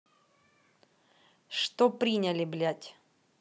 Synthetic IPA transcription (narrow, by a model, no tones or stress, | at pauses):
ʂt̪opɾʲinʲəlʲɪblʲatʲ